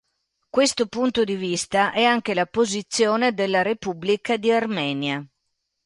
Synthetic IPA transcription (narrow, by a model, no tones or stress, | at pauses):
kwest̪opunt̪od̪ivist̪aʔɛaŋk̟elapozit̪sːjoːned̪elːaɾepubːlikad̪iarmɛːnja